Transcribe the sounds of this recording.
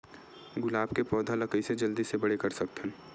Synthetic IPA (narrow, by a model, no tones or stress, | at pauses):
ɡʊlaːbkepɔːd̪ʱalɐkəised͡ʒɐld̪isebɐɽekɐɾsɐkt̪ɛ̃